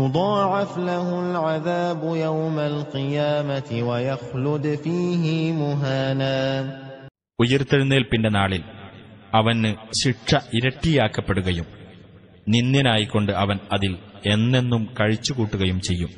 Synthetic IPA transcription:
jʊd̪ˤɑːʕɪflaɦʊlʕaðaːbʊjawmalqɨjaːmat̪ɪwɐjaxlʊd̪fiːɦɪmʊɦaːnaː | ujɐrt̪ːɐɻunːɐðilpindenaːɭilɐʋɐnːɨɕiʈʂɐʔiɾɐʈːijaːkːɐpːe̞ɽuɣɐjum | ninːjɐnaːjikːo̞ɳɖɨʔɐʋɐnɐðile̞nːe̞nːumkɐɻit͡ɕːukuːʈːuɣɐjumt͡ɕe̞jːum

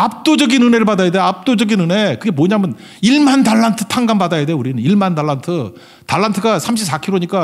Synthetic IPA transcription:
ap̚t͈od͡ʑʌɡinɯnɦe̞ɾɯɭpadajadeap̚t͈od͡ʑʌɡinɯne̞kɯɡe̞moɲamɯn | iɭmandaɭːantʰɯ̥tʰaŋɡambadajadeuɾinɯniɭmandaɭːantʰɯ | taɭːantʰɯɡasʰamɕ̬ʰip̚s͈ʰakʰiɾoɲik͈a

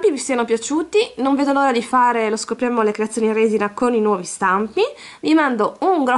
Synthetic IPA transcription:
pivist̪iːanopjat͡ʃuːt̪inõɱveːd̪oloːɾad̪ifaːɾeloskopːɾjamːolekɾeat̪sːonirezinakoninwɔːvist̪ampi | limand̪ouŋɡɾɔ

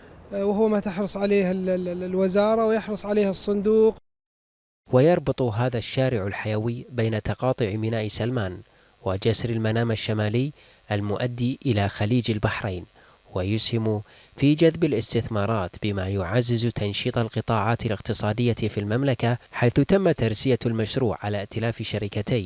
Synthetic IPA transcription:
whʊwːamat̪ɪħɾˤɨsˤʕaleːhɪllwɪzɑːɾˤɑwjɪħɾɨsˤʕaleːhɨsˤːʊnd̪uːq | wɪjɑɾˤbɨt̪ˤɦaːðaʃːaːɾɪʕalħajaːwijːbeːnat̪ɑqɑːt̪ˤʊʕmɪnaːʔsalmaːn | wɪd͡ʒasɾalmanaːmaʃːamaːlɪjː | ʔalmʊʔad̪ːiːʔɪlaxaliːd͡ʒalbaħɾaːn | wajʊshɪm | fid͡ʒaðbalɪst̪ɪθmɑːɾˤɑːt̪bɪmaːjʊʕazːɪzt̪ʰɑnʃiːt̪ˤɑlqɨt̪ˤɑːʕɑːt̪alɪqt̪ɨsˤɑːd̪ɪjːafilmamlakaħajθʊt̪amːat̪ːɑɾˤsɪjalmaʃɾuːʕʕalaʔt̪ɪlaːfʃaɾɪkat̪aː

